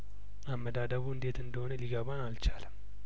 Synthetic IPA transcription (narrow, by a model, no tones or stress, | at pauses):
amːəd̪ad̪əβuɨnd̪e̞t̪ɨnd̪əho̞nəliɡəβanalt͡ʃaləm